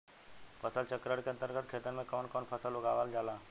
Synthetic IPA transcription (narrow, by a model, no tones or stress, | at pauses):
pəsəlt͡ʃəkɾaɽkeənt̪əɾɡət̪̚kʰet̪əɾmẽkoɳkoɳpʰəsəluɡaʋald͡ʒʱala